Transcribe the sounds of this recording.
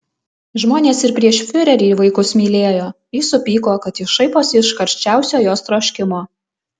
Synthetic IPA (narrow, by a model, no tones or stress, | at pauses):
ʒmoːnʲeːsɪɾpʲɾʲiɛʃfʲʊɾʲɛɾʲiːʋɐɪkʊsmʲiːlʲeːjoː | jiːsʊpʲiːkoːkɐt̪iʃɐɪpoːsɪʃkɐɾʲʃʲt͡ʃʲæˑʊsʲoːjoːst̪ɾoːʃʲkʲɪmoː